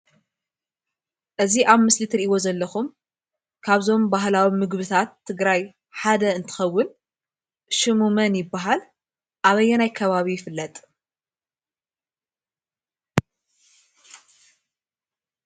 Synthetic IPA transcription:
ʔɨziʔaβmɨslit̪ʰɾiʔiβo̞zɐlːɐxum | kʰaβzo̞mbaɦlawimɨɡbɨt̪ʰat̪ʰːɨɡɾaj | ħad̪ɐɨnt̪ʰɨ̥xɐwːʊn | ʃɨmumɐnjɪbːaɦal | ʔaβɐjːɛnajkʰɐβaβijɪfɨlːɐt̪ʼ

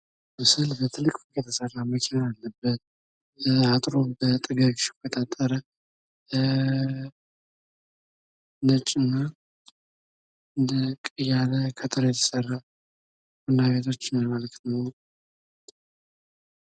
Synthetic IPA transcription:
mɨsɨlbət̪ʰɨlːɨkʼkjɛt̪ʰəsərːaməkʲʰenaalːəbːət̪̚ | at̪ʼɾo̞bət̪ʼɨɡaɡiʃɪ̥kʰːət̪ʼat̪ʼːəɾə | nət͡ʃʼːɪnːa | ɨnd̪əkʼɨjaləkʰət̪ʼɨɾjɛt̪ʰə̥sərːa | wɔnːaβet̪ʰo̞t͡ʃːɪnamələkt̪nəw

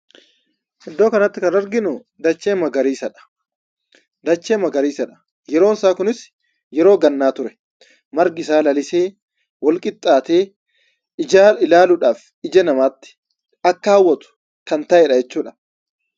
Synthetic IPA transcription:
hɛd̪ːo̞ːkɐnɐt̪ːɪkɐɾɐɾɡɪnʊ | d̪ɐt͡ʃːeːmɐɡɐɾiːsɐᶑɐ̥ | d̪ɐt͡ʃːeːmɐɡɐɾiːsɐᶑɐ̥ | jɛɾo̞ːnsaːkʊnɪs | jɛɾo̞ːɡɐnːaːt̪ʊɾɛ̥ | mɐɾɡɪsaːlɐlɪse̞ː | wɔlkʼɪt̪ʼːaːt̪eː | ɪd͡ʒaːɪlaːlʊᶑaːf | ɪd͡ʒɛnɐmaːt̪ːɪ̥ | ɐkːɐhɐwːɔt̪ʊ̥ | kɐnt̪ɐʔɛᶑɐd͡ʒɛt͡ʃːuːᶑɐ̥

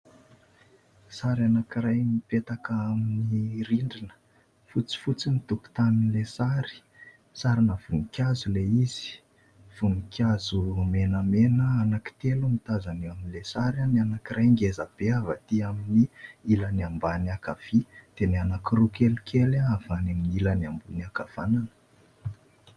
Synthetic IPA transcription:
saɾanakiɾajmipet̪akəaminiɾiɳɖ͡ʐinə̥ | fut͡si̥fut͡sinit̪uku̥t̪aninilesaɾi̥ | saɾinav̥unikʲjazuleiz̥i̥ | v̥unikʰʲazumenəmenəanaki̥t̪elumit̪azaniaminilesaɾananakirajŋɡezab̥eavat̪iaminiilaniambaniakav̥id̪̥enianakiɾukelkʰelaav̥anaminilaniambuniakav̥ananə̥

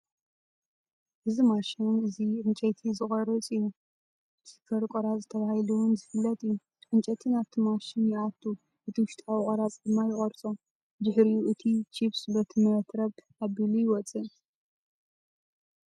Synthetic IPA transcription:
ʔɨzimaʃinɨziʕɨnt͡ʃʼɐt̪ʰizɨχʼɐɾɐt͡sʼɨjːu | b̥ɨsɨ̥kʰːɐɾkʷʼoɾazɨt̪ʰɐβahiluwʊnzɨfɨlːɐt̪ʼɨjːu | ʔɨnt͡ʃʼɐt̪ʰinaβt̪ʰimaʃinjɪʔat̪ʰʼːu | ʔɨt̪ʰiwʊʃt̪ʼawiχʼɐɾat͡sʼd̪ɨmːajɪχʼɐɾt͡sʼo | d̪ɨħɾijuʔɨt̪ʰit͡ʃʰiβsɨβɐt̪ʰmɐt̪ɾɐβ | aβilujɪwɔt͡sʼɨ

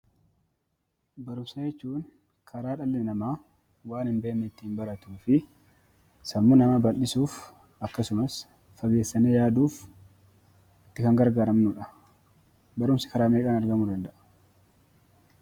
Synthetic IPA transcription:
bɐɾʊmsɐd͡ʒɛt͡ʃːuːn | kʰɐɾaːᶑɐlːɛnɐmaː | waːnhɪmbeːnːɛɪt̪ːɪnbɐɾɐt̪uːfɪ | sɐmːʊnɐmabɐlːɪsuːf | ɐkːɐsʊmɐs | fɐɡe̞ːsːɐnejaːd̪uːf | ɪt̪ːɪkɐŋɡɐɾɡaːɾɐmnʊᶑɐ | bɐɾʊmsɪ̥kɐɾaːmeːkʼaːnɐɾɡɐmʊd̪ɐnd̪ɐʔɐ̥

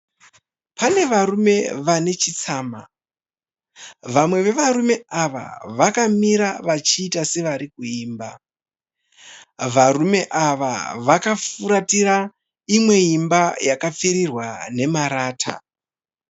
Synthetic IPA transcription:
pane̞ʋaɾume̞ʋane̞t͡ʃit͡saːma | ʋamwe̞ʋe̞ʋarume̞aʋa̰ʋakamiɾaʋat͡ʃiːtase̞ʋaɾikuiːmba | ʋaɾume̞ʔaʋa̰ʋakafuɾatiɾa | imwe̞imbajakap͡feɾirwane̞maɾaːtʰa̰

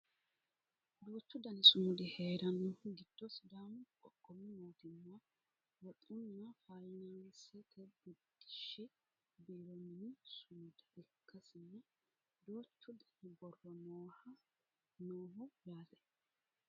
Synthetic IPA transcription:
d̪oːt͡ʃːʊd̪ɐnɪsʊmʊd̪ɪheːɾɐnɔɡɪd̪̥ːɔsd̪aːmkʼɔkʼːɔmːɪnoːt̪ɪmːɐ | wɔt̪ʼʊnːɐfajnansɛt̪ʰɛbʊd̪ːɪ̥ʃɪ | biːɾɔmɪnɪsʊmʊd̪ɐʔɛkːɐsɪnːɐ | d̪oːt͡ʃːʊd̪ɐnɪbɔrːɔmoːhɐ | noːɦɔjaːlɛ̥

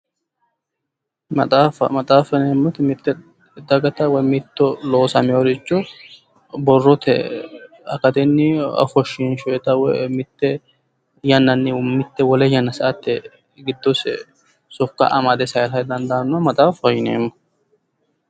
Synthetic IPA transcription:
mɐt̪ʼaːfɐ̰mɐt̪ʼaːfɐneːmːʊt̪ɪmɪt̪ːɛ | d̪ɐɡɐt̪ɐwɔjmɪt̪ːɔlo̞ːsɐmɪɔɾɪt͡ʃːɔ | bɔrːɔt̪ɛ̰ | ɐ̰kɐt̪ɛnːɪɐ̰fɔʃːinʃɔjɛt̪ɐwɔmɪt̪ːɛ | jɐnːɐnːɪmːɪt̪ːɛwɔlɛjɐnːɐsɐʔɐt̪ːɛ | ɡɪd̪ːɔsɛ̰ | sɔkːɐ̰ʔɐmɐd̪ɛsɐjlɐjd̪ɐnd̪ɐːnːɐmɐt̪ʼaːfɐjɪnḛːmːɔ̥

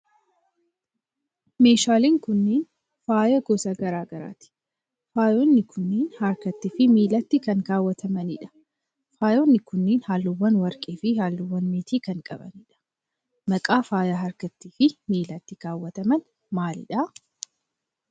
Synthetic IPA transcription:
meːʃaːliːŋkʊnːeːn | faːjɐɡɔsɐɡɐɾaːɡɐɾa̰ːt̪ɪ̥ | faːjonːɪkʰʊnːiːnhaɾkɐt̪ːiːfɪmiːlɐt̪ːɪkɐŋɡaːwːɐt̪ʰɐmɐnɪ̰ᶑɐ̥ | faːjoːnːɪkʊnːeːnhaːlːʊwːɐnwɐɾkʼeːfɪhaːlːʊwːɐnmeːt̪ʰiːkɐŋkʼɐbɐ̰niᶑɐ̥ | mɐkʼaːfaːjɐɦɐɾkɐt̪ːiːfɪmiːlɐt̪ːɪɡaːwːɐt̪ɐmɐn | maːlɪ̰ᶑɐ

